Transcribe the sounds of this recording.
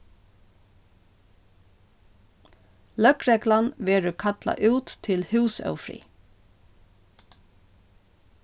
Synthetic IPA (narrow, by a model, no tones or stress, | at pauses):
lœkɾɛklanʋeːɹʉkʰɑt̪la̰ʔʉːt̪ʰːɪlhʉːsœ̰wfɾḭː